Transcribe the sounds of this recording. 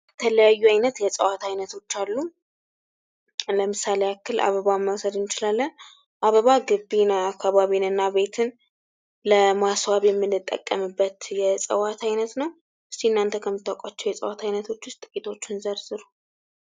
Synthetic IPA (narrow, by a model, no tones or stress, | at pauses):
jɛt̪ʰələjajːuajnət̪jɛsʼəwat̪ʰajnət̪ʰo̞t͡ʃːalːu | ləmɨsaleakʰːɨlʔa̰βəβaməwsəd̪ɨnɪt͡ʃɪlalːən | ʔaβəβaɡɨbːinaːkʰːaβaβinɨnːaβe̞t̪ʰɨn | ləmaswaβjɛmːɨnːɨt̪ʼːə̰kʼːə̰mɨbːət̪jɛsʼə̰wat̪ʰajnət̪nəw | ʔɨst̪iɨnːant̪ʰəkʰəmːɨt̪ːakʷʼat͡ʃːɛwjɛsʼə̰wat̪ʰajnət̪ʰo̞t͡ʃːwʊst̪ʼɨkʼit̪ʰo̞t͡ʃːɪnzəɾzɨɾu